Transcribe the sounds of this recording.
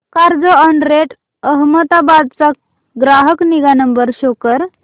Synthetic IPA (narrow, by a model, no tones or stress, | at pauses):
kaɾd͡zoəɳɖɾeʈ | əɦmət̪abad̪̚t͡sa | ɡɾaɦəkniɡanəmbəɾɕokəɾ